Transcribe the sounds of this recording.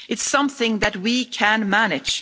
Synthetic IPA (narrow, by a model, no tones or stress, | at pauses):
ɨtsʌ̃mθɪ̃ŋðɨt̚wikʰə̃nmænɪd̥d͡ʒ̥